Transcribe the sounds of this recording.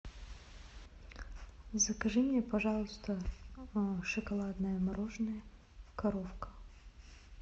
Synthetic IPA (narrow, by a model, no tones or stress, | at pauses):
zɐkɐʐɨmʲɛpɐʐɑlˠʊst̪ə | ʂɨkɐlˠad̪nəjəmɐɾoʐnəjə | kɐɾofkə̥